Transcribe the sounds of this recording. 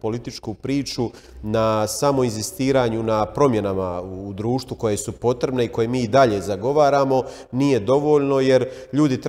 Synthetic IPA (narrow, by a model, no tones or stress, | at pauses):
po̞lit̪it͡ʃkupɾiːt͡ʃu | nasamo̞inzist̪iːɾaːɲunapɾo̞mje̞namauːd̪ɾuːʃt̪ʋuko̞je̞supo̞t̪ɾe̞bne̞iko̞je̞miːid̪aʎe̞ːzaɡo̞ʋaːɾaːmo̞ | nije̞d̪o̞ʋo̞ːʎno̞je̞ɾ | ʎuːd̪it̪ɾ